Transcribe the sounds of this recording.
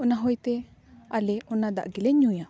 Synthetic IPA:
ɔnaɦɔjt̪ɛ | alɛɔnad̪a̰ʔɡɛlɛɲuja

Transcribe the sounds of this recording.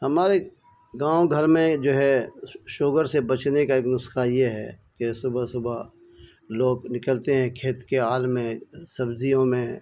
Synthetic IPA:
hɐmaːɾe | ɡãːoɡʱɐɾmẽd͡ʒoːɦɛʃoːɡəɾsebɐt͡ʃnekaeːknʊsxajeɦɛ̰kesʊbəsʊba | loːɡnɪkəlt̪eɦɛ̃kʰeːt̪keaːlmẽsɐbzijõmẽ

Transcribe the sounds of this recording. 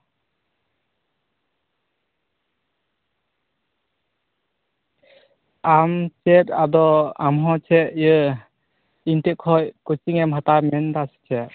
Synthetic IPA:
amt͡ʃɛtad̪ɔamɦɔt͡ʃʰɛʔjɯ | intɛkʰɔjkut͡ʃiŋɛmɦat̪aɾmɛnd̪ast͡ʃʰɛʔ

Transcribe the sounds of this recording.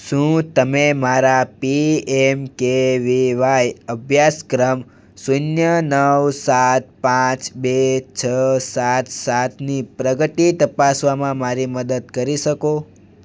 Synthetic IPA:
ʃũt̪əmemaɾapiemkeʋiʋajəbʱjaskɾəm | sunjənəʋsat̪̚pãt͡ʃbet͡ʃʰəsat̪sat̪nipɾəɡət̪it̪əpasʋamãmaɾiməd̪əd̪̚kəɾiʃəko

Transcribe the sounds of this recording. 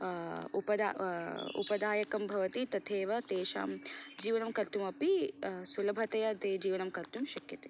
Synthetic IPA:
upɐd̪aṵpɐd̪aːjɐkɐmbʱɐʋɐt̪it̪ɐt̪ʰeːʋɐt̪eːʃa̰ːmd͡ʒiːʋɐnɐmkɐɾt̪umɐpisulɐbʱɐt̪ɐjɐd̪eːd͡ʒiːʋɐnɐmkɐɾt̪umʃɐkjɐt̪e̥

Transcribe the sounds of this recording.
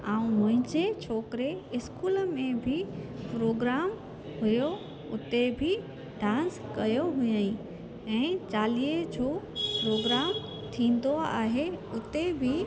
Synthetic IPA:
aːũmʊ̃ɦɪ̃ɲd͡ʑet͡ɕʰoːkɾeɪskuːlmẽbʱipɾoːɡɾaːm | ɦʊjo | ʊt̪ebʱi | ɖãːnskɐjoɦʊjaĩ | ɛ̃ːt͡ɕaːliːed͡ʑopɾoːɡɾaːm | t̪ʰĩːn̆d̪oa̰ːɦeʊt̪ebʱɪ

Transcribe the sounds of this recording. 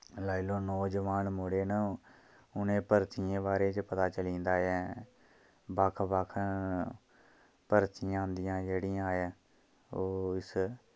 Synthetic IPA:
laːiloːnɔːd͡ʒəʋaːnmoɽeːnə | ʊnẽːpəɾt̪ʰɪẽːbaːɾeːt͡ʃpət̪aːt͡ʃəlĩːnd̪aːɛː | bəkʰbakʰ | pəɾt̪ʰɪjãːʊ̃nd̪ɪjãːd͡ʒeːɽɪãːɛː | oːɪs

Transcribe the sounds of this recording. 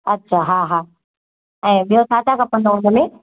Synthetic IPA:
ɐtːɕʰaɦaɦaː | ɛ̃ːɓijosaːt̪akɐpə̃nd̪oɦʊ̃nəmẽ

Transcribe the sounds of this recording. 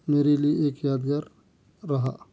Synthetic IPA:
meːɾelijeeːkjaːd̪ɡaːɾː | ɐɦa̰ː

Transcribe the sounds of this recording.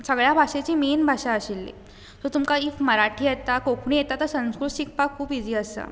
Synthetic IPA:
səɡɭjabʱaɕet͡ɕiːmenbʱaɕaəɕilːḭ | t̪ot̪umkaiːfməɾaʈʰiːjet̪akokʰuɽ̃ijet̪at̪əɾsə̃w̃skɾusik̚pakʰːuːpid͡ziːəsə̰

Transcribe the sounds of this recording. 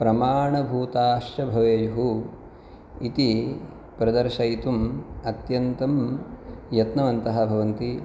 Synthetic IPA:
pɾɐmaːɳɐbʱuːt̪aːʃjɐbʱɐʋeːjɦu | it̪i | pɾɐd̪ɐɾʃɐjt̪umɐt̪jɐnt̪ɐm | jɐt̪nɐʋɐnt̪ɐɦɐ̆bʱɐʋɐnt̪i

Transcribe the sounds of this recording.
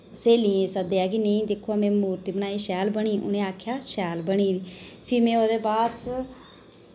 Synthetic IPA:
seːlĩːẽːsəd̪eːaːkineĩːd̪ekʰːoaːmẽːmuːɾt̪iːbənaːiːʃɛːlbəɳ̃iːʔʊ̰nẽːaːkʰjaːʃɛːlbəɳiːd̪iːpʰɪɾmẽːoːd̪eːbaːd̪t͡ʃ

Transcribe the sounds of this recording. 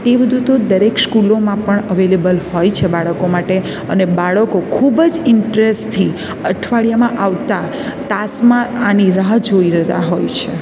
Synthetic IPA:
t̪ebəd̪ʱut̪od̪əɾekskulomãpəɳəʋelebəlhojt͡ʃʰebaɭəkomaʈe | ənebaɭəkokʰubd͡ʒɪɳʈɾest̪ʰi | əʈʰʋaɭijamãʔaʋt̪a | t̪asmãaniɾaɦd͡ʒoiɾət̪a̰ɦojt͡ʃʰe

